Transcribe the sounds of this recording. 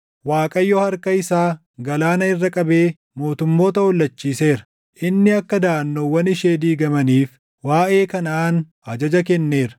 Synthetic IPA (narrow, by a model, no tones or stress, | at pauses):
waːkʼɐjːɔːhɐɾkɐɪsaː | ɡɐlaːnɐɪrːɐkʼɐbe̞ː | mo̞ːt̪ʊmːo̞ːt̪ɐwɔlːɐt͡ʃːiːse̞ːɾɐ̥ | ʔɪnːɪɐkːɐd̪ɐːɐnːowːɐnɪʃeːd̪iːɡɐmɐniːf | waːʔe̞ːkɐnaːn | ɐd͡ʒɐd͡ʒɐk̬ɛnːe̞ːɾɐ̥